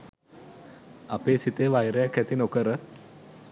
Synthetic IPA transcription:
apeːsit̪eːʋajɾəjakːæt̪inokəɾə

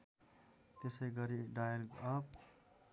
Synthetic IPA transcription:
t̪esʌjɡʌɾiɖajʌlɡʌp̚

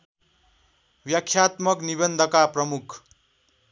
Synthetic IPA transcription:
bjʌkʰːjat̪mʌknibʌnd̪ʱʌkaprʌmukʰ

